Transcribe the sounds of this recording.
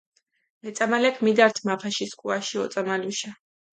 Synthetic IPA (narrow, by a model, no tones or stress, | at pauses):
mɛt̪sʼamalɛkʰmid̪aɾt̪ʰmapʰaʃiskʼuaʃiɔt̪sʼamaluʃa